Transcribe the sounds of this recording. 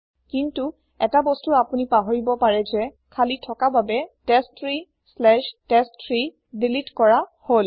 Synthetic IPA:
kintu | ɛtabɔstuapunipaɦoɹibɔpaɹɛzɛ | kʰalitʰɔkababɛtɛstʰɹi | slɛʃtɛstʰɹi | dilitkɔɹahol

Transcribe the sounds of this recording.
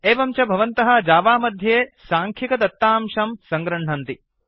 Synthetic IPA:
eːʋɐmt͡ʃɐbʱɐʋɐnt̪ɐɦɐ̆d͡ʒaːʋaːmɐd̪ʱjeːsaːŋkʰikɐt̪ɐt̪ːaːmʃɐmsɐŋɡɾɐɳ̤ɳɐnt̪i

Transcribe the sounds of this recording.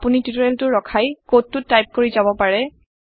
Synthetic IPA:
punitutɔɹɛltʊɹɹɔkʰajkotːʊtːajp̚koɹizabɔpaɹɛ

